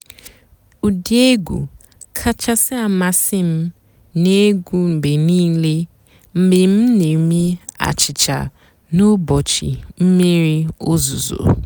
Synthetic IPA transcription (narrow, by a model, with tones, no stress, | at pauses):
u˨di˦e˦ɡṵ˨ | kʰa˦t͡ʃa˦sɪ˦a˨ma˦sɪ˦m̩˦ | ne˦ɡʷu˦m̩˨be˨niː˦le˦ | m̩˨˦be˨m̩˦ne˨mi˦a̰˨t͡ʃɪ˨t͡ʃa̰˨ | nʊ˦bɔ˨t͡ʃɪ̰˨m̩˦me˦ɾi˦o˦zu˨zo̰˨